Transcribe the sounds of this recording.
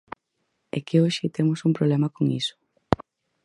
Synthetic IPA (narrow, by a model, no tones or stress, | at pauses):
ɛ̰keoʃɪt̪emʊsumpɾoβlemɐkoŋḭsʊ̥